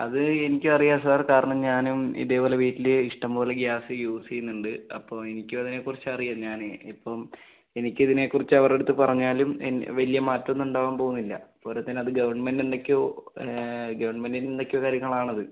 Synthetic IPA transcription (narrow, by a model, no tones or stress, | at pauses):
ɐðɨe̞nikʲːuɐrijaːs̬ɐðaːrkaːɾɐɳɐmɲaːnumḭðe̞ːbo̞ːleʋiːtːileiʂʈɐmbo̞ːleɡjaːsiɨjuːsinːuɳɖɨɐ̰pːo̞ːe̞nikʲːumɐðine̞kːurit͡ɕːɨɐrijaɲaːneipːo̞ːm | enikʲːɐðine̞kːurit͡ɕːɨɐʋɐre̞ɽut̪ːɨpɐrɐɲːaːlumḛnʋɐlijɐmaːtːɐmenːuɳɖaːʋaːmpo̞ːɣunːilːɐ̰poːɾɐt̪ːinɐðɨɡɐʋɐrɳːɐmendind̪ekʲːoː | ɡɐʋɐrɳɐmendinind̪ekʲːokaːɾjɐŋːɐɭaːɳɐðɨ